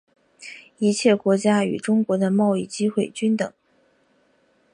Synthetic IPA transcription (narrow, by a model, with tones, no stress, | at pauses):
i˧˥t͡ɕʰjɛ˥˩kwɔ˧˥t͡ɕja˥y̰˨˩ʈ͡ʂʊ˥ŋkwɔ˧˥d̪ə˧mɑ˥˧ʊi˥˩t͡ɕi˥xwe˥˩ɪt͡ɕy˥nt̪ɤ˨˩˦ŋ